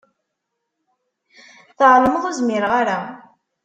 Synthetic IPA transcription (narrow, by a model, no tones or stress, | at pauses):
θəʕɾˤəməðˤuzmɪɾʁaɾa